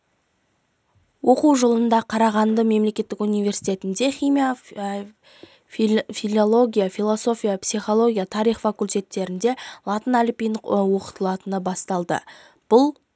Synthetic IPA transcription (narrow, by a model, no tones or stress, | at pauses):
wo̞quwʒolˠənd̪ɑqʰɑɾɑʁɑnd̪əme̞mle̞kʲe̞t̪ːɪkunijvʲe̞ɾsijt̪e̞t̪ɪnd̪e̞χʲijmija | filolˠo̞ɡʲijafilˠo̞so̞fʲijapsijχo̞lˠo̞ɡʲijat̪ʰɑɾijχfakulʲt̪e̞t̪ːe̞ɾɪnd̪e̞lˠɑt̪ənælipijnəwo̞qə̥t̪əlˠɑt̪ənəbɑst̪ɑlˠd̪ə̰ | b̥ʊlˠ